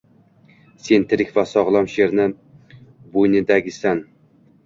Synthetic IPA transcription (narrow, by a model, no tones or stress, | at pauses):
sent̪ʰɪɾɪkʲvæsɒʁlˠɑmʃeɾnɪ | bojnɪd̪æɡʲɪsæn